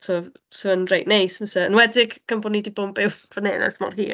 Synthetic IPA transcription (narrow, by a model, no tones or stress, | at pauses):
sʰoː | səənrejʔnejsməsɛənwɛdɪɡ̥kʰəmbɔnidibʊmpɪwv̥əneːnɛ̰smɔ̰rhḭː